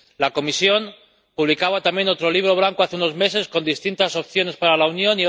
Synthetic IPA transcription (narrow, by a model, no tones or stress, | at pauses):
lako̞misjo̞n | puβlikaβ̞at̪amje̞no̞t̪ɾo̞liβ̞ɾo̞β̞laŋko̞aθeuno̞zme̞se̞sko̞nd̪ist̪int̪aso̞pθjo̞ne̞spaɾalaunjo̞ni